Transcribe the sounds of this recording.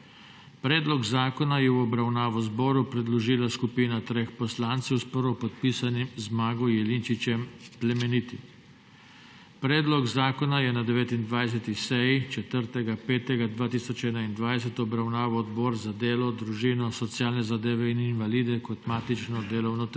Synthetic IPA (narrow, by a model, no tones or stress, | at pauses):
pɾɛːd̪lɔɡzaːkɔnajɛwɔbɾawnaːʋɔzbɔːɾupɾɛd̪lɔʒiːlaskupiːnat̪ɾeːxpɔslaːnt̪sɛwspəɾʋɔpɔt̪̚piːsanimzmaːɡɔjɛlint͡ʃit͡ʃɛmplɛmɛnit̪i | pɾɛːd̪lɔɡzaːkɔnajɛnad̪ɛʋeːt̪ind̪ʋajs̬ɛt̪isɛjit͡ʃɛt̪əɾt̪ɛɡapeːt̪ɛɡad̪ʋaːt̪iːsɔt͡ʃɛːnaind̪ʋajsɛt̪ɔbɾawnaːʋɔːd̪bɔːɾzad̪eːlɔd̪ɾuʒiːnɔsɔt̪sjaːlnɛzad̪eːʋɛininʋaliːd̪ɛkɔt̪maːt̪it͡ʃnɔd̪eːlɔwnɔt̪